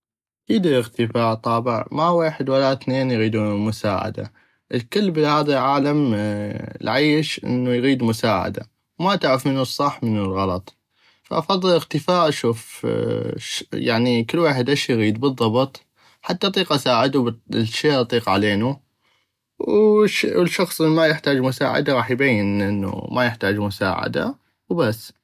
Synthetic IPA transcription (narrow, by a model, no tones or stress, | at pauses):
ʔakiːd̪ɪɪɣt̪əfaːʔt̪ˤɑːbɪʕmaweːħɪd̪walaθneːnjɣiːd̪uːmʊsa̰ːʕa̰d̪a̰ | ʔəlkɪlːbɪhaːðalʕaːlam | lʕiːʃʔɪ̰nːujɣiːd̪mʊsaːʕa̰d̪a̰ | wmaʔt̪aʕɾafmɪnːusˤːɑħmənːʊlɣɑlɑt̪ˤ | fa̰ʔɑfɑðˤːɨlʔɪɣt̪ɪfaːʔʃuːf | jaʕnikɪlːwaːħɪd̪ʔaʃjɣiːd̪bɨðˤːɑbɨt̪ˤ | ħat̪ːaʔɑt̪ˤiːqʔasaːʕɪd̪ubʃeːʔɑt̪ˤiːqʕaleːnu | wʃwlʃɑxsˤʔɪmajɪħt̪aːd͡ʒmʊsa̰ːʕa̰d̪aɾˤɑːħjbajːɪnʔɪnːṵmʔajɪħt̪aːd͡ʒmʊsa̰ːʕa̰d̪a̰ | wbasː